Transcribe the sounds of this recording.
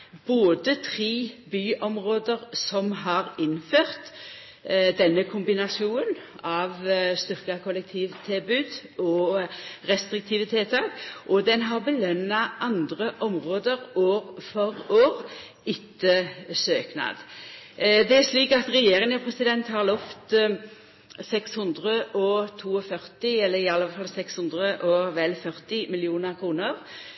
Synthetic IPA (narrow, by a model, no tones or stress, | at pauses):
b̥oːd̪ət̪ʰʁiːbyːʔɔmʁoːd̪əʁsɔmɦɑʁɪnføːʁt̪ | d̪ɛnːəkʰʊmbɪnɑsɪuːən | ɑʋst̪ʏʁkɑkʰʊlɛk̚t̪ʰiːʋt̪ʰɪlbʉːd̪ɔ | ɾɛst̪ɾɪk̚t̪ʰɪːʋət̪ʰɛlt̪ʰɑːkʔɔd̪ɛnɦɑʁbəlœnːɑʔɑnd̪ʁəʔɔmʁoːd̪əʁoːʁfɔɾoːʁ | ɪt̪ːəsøːknɑ̰ːd̪ | d̪ɛæʂliːkɑt̪ʁɛjeːɾɪŋəpʰɾɛsɪd̪ɛnt̪hɑʁlɔft̪ | sɛkshʉnd̪ʁəʔɔt̪ʰuːɔfœɾt̪ɪɛlːəɾɪɑlːəfɑlsɛkshʉnd̪ʁəʔɔʋɛlfœʁt̪ɪmɪlɪuːnəʁkʰʁuːnəʁ